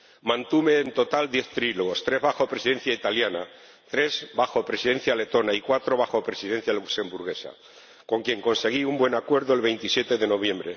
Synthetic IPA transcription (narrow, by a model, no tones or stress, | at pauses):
mãnt̪ume̞ːnt̪o̞t̪ald̪je̞θt̪ɾiloɣost̪ɾe̞zβaxopɾesiðe̞n̟θjait̪aljana | t̪ɾe̞zbaxo̞pɾesiðe̞n̟θjale̞t̪o̞naikwat̪ɾo̞βaxo̞pɾe̞siðe̞n̟θjalukse̞mbuɾɣ̞e̞sa̰ | ko̞ŋkje̞ŋko̞nse̞ɣ̞iumbwe̞nakwe̞ɾðoe̞lβe̞jnt̪isje̞t̪e̞ðe̞no̞βje̞mbɾe̞